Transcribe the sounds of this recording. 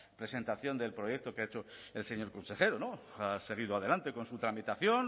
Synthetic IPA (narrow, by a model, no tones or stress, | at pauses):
pɾe̞se̞nt̪aθjo̞nd̪e̞lpɾo̞jek̚t̪o̞keaet͡ʃoelse̞ɲoɾko̞nse̞xe̞ɾonoase̞ɣ̞iðoað̞e̞lant̪e̞ko̞nsut̪ɾamit̪aθjo̞n